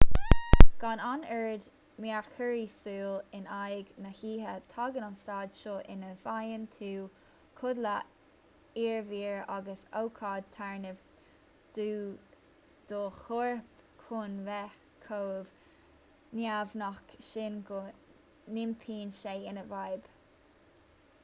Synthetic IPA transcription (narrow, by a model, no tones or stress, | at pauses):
ɡ̥ɑnanɛɹd̪ | maɹxəɹisuːlɪnajɡnəhiːɦət̪ʰɑɡənanstɑːd̪ʃoʔɪnəvajənt̪ʰuː | kʰʊd̪lə | iːɹviːɹaɡəsowkʰɑːd̪̚t̪ʰaɹnəv | d̪̥uː | d̪̥oxʊɹp | kʰʊnvɛx | kʰoːv̥ | njavnɔkʃɪnɡo | nɪmpʰiːnʃeːɪnəvajb̥